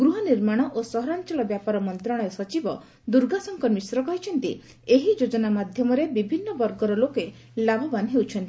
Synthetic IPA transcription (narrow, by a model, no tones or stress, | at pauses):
ɡɾuɦɔniɾmaɽ̃ɔʔosɔɦɔɾant͡ʃɔɭɔbjapaɾɔmɔnt̪ɾɔɽ̃esɔt͡ʃibɔ | d̪uɾɡasɔŋkɔmisɾɔkɔɦit͡ʃʰɔnt̪i | eɦid͡ʒod͡ʒɔnamad̪ʱjɔmɔɾebibʱinːɔbɔɾɡɔɾɔloke | labʱɔbanɦewt͡ʃʰɔnt̪i